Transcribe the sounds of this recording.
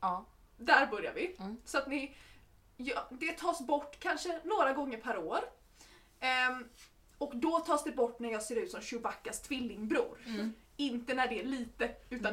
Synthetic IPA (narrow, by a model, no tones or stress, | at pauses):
d̪æɾbœɾja̰vɪsɔat̪nɪ | jɑːd̪ɛt̪ʰɑːsbɔʈːkʰanʂənoːɾaɡɔŋːəɾpʰæɾoːɾ | ɔkd̪ɔt̪ʰɑːsd̪ɛbɔʈːnæɾjɑːɡseːɾʉ̟t̪sɔmɕʊvakːast̪ʰvɪlːɪŋbɾṵːɾ | ɪnt̪ənæɖɛæɭiːt̪əʉ̟ːt̪a